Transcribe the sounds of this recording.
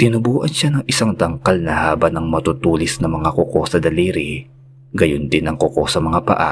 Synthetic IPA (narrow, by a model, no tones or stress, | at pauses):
t̪ɪnʊbuːʔɐnʃanɐŋʔɪsaŋd̪ɐŋkɐlnɐhaːbɐnɐŋmɐt̪ʊt̪uːlɪsnɐmɐŋakoko̞sɐd̪ɐliːɾi | ɡɐjond̪ɪnɐŋkoko̞sɐmɐŋapɐ̰ʔa̰